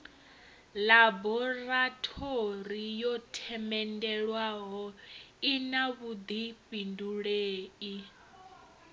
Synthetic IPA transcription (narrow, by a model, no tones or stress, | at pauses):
labɔratʰoɾijɔtʰɛmɛndɛɺwaɦɔinaβud̪ipʼinduɺeːi